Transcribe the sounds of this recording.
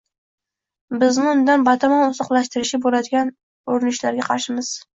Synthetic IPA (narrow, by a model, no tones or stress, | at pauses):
bɪznɪʊnd̪anbat̪ʰamɒnʊzɒqlˠaʃt̪ɪɾɪʃɪbolad̪ɪɡʲan | oɾɪnɪʃlaɾɡʲaqʰɑɾʃɪmɪz̥